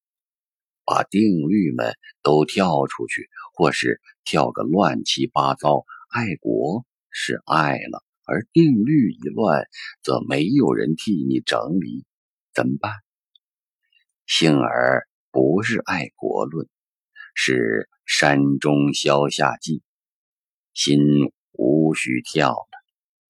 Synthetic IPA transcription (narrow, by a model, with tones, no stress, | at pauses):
pa̰˨˩t̪i˥˧ŋly˥˩mə̰˨˩nt̪o˥ʊt̪ʰjɑ˥˩ʊʈ͡ʂʰu˥t͡ɕʰy˥˩xwɔ˥˧ʂɻ̩˥˩t̪ʰjɑ˥˩ʊdə̰˨lwa˥˩nt͡ɕʰi˥pa˥t͡sɑ˥ʊa˥˩ɪkwɔ˧˥ | ʂɻ̩˥˧a˥˩ɪlə̰˩ | ə̰˞˧˥t̪i˥˧ŋly˥˩i˧˥lwa˥˩nt͡sɤ̰˧˥me˧˥ɪjo˨˩ʊɻə̰˧˥nt̪ʰi˥˩ni˨˩ʈ͡ʂɤ̰˧˥ŋli˧˥ | t͡sə˨˩mpa˥˩n | ɕi˥nə̰˞˧˥ | pu˧˥ʂ̬ɻ̩˥˧ʔa˥˩ɪkwɔ̰˧˥lwə˥˩n | ʂɻ̩˥˩ | ʂa˥nʈ͡ʂʊ˥ŋɕjɑ˥ʊɕja̰˥˧t͡ɕi˥˩ | ɕi˥n | u˧˥ɕy˥˩t̪ʰjɑ˥˩ʊd̪ə˩